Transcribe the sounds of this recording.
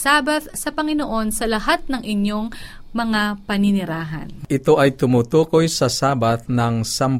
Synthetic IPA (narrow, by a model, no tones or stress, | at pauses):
saːbɐt̪sɐpɐŋɪnoʔo̞nsɐlɐhat̪̚nɐŋʔɪɲjo̞ŋmɐŋapɐnɪnɪɾaːɦɐ̰nʔɪt̪o̞ʔɐjt̪ʊmut̪uːko̞jsɐsaːbat̪̚nɐŋsam